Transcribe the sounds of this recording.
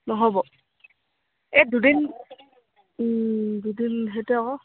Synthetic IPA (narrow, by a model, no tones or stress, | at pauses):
nɔɦɔbɔ | edudin | dudinɦetɛɔ